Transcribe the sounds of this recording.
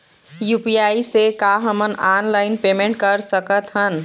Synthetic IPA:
juːpijaːisekaɦəmənaːnlaːɪnpemẽɳʈ̚kəɾsəkət̪ɦən

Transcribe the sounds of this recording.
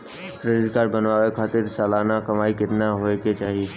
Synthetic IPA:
ɾɪɾɪd̪kaːɾbɐnʋaːʋekʰaːt̪ɪɾsɛːlaːnakɐmaːikɪt̪naɦoːeket͡ʃaːɦieː

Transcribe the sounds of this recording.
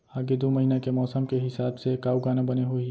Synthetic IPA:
aːɡed̪oːmɐɦiːnakemɔːsəmkeɦɪsaːbsekaːuɡaːnabɐneɦoi

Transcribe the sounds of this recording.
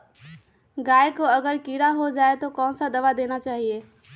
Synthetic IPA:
ɡajkoəɡəɾkiɾaɦod͡ʒaet̪okɔ̃sə̃d̪əʋad̪enat͡ʃaɦie

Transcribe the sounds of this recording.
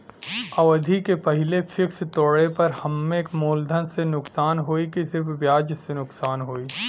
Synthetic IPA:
ɐʋd̪ʱikepɐɦɪlefʰɪkst̪oːɽepɐɾhɐmːekmoːld̪ʱənsenʊksaːnɦoːikisɪɾfʰʋjaːd͡ʒsenʊksaːnɦoːiː

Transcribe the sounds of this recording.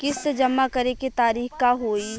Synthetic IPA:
kɪsed͡ʒɐmːakɐɾekit̪aːɾiːxkaɦoːi

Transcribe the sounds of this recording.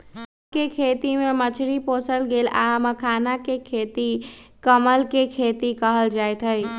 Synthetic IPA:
kekʰeːt̪imẽmət͡ʃʰɾipoːsəlɡeːlaməkʰaːnakekʰeːt̪ikəməlkekʰeːt̪ikəɦəld͡ʒaːjt̪ʰəi

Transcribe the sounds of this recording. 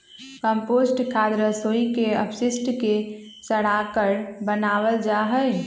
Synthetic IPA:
kəmposʈkʰad̪ɾəsoikeə̰psɪsʈke | səɽakəɾbənaʋəld͡ʒaɦəj

